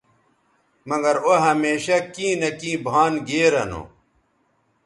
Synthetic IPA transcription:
mɐɡɐɾoɦɐmeːɕɐkĩːnɐkĩːbʱaːnɡeːɾɐno̰

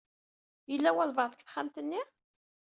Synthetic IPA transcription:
jəlːæwælvɑʁˤðˤəkθχæmt̪ənːi

